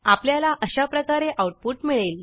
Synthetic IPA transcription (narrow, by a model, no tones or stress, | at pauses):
apljalaʔəɕapɾəkaɾeʔawʈ̚puʈmiɭel